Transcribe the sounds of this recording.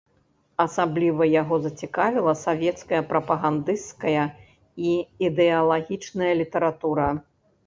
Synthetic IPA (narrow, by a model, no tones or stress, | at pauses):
ɐsablʲivɐjaɣɔzɐt͡sʲikavʲilˠɐsavʲɛt̪skɐjɐpɾɐpɐɣand̪ɨst̪kɐjɐ | iid̪ɛɐlˠaɣʲit͡ʂnɐjɐlʲit̪ɐɾat̪uɾɐ